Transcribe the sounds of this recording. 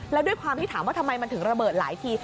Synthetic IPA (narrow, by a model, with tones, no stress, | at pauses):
lɛ˦˥du˥˩əjkʰwaː˧mt̪i˥˩aː˩˦waː˥˩t̪ʰmːa˧jma˧nt̪ʰɯ˨˩˦ŋɾa˧bɤː˨˩t̪̚la̰ː˩˦jt̪ʰiː˧